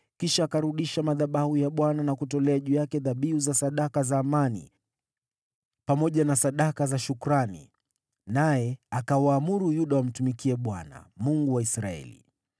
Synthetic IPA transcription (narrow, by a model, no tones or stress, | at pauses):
kiʃaːkaɾuɗiʃamaðaɓahujaɓwananakutɔlɛaʄujakɛðaɓiuzasaɗakazaːmanḭ | pamɔʄanasaɗakazaʃukɾanḭ | najɛakawaːmuɾujuɗawam̩tumikiɛɓwana̰muŋɡuwaisɾaɛ̰lḭ